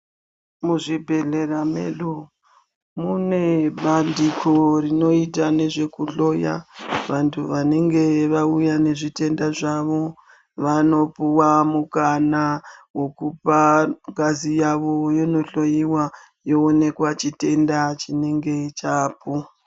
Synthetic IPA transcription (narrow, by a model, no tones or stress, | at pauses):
muʐibʱe̞ɮe̞ramḛɗu | mune̞ɓandikʰorino̞itane̞ʐe̞kuɬo̞ja̰ʋantʰuʋane̞ŋɡe̞ʋaujane̞ʐite̞ndaʐaʋo̞ | ʋano̞puwamukanawo̞kupaŋɡazijaʋo̞jono̞ɬo̞jiwa | joone̞kwat͡ʃite̞ndat͡ʃine̞ŋɡe̞t͡ʃaːpu